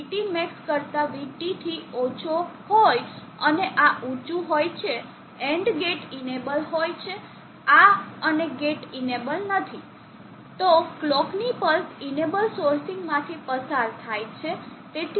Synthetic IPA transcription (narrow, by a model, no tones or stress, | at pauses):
ʈimekskəɾt̪aʋiʈit̪ʰiot͡ʃʰohoj | əneʔaʔũt͡ʃũɦojt͡ʃʰe | eɳɖɡeʈinebəlɦojt͡ʃʰe | aəneɡeʈinebəlnət̪ʰi | t̪oklɔknipəlsinebəlsoɾsĩŋɡmãt̪ʰipəsaɾt̪ʰajt͡ʃʰet̪et̪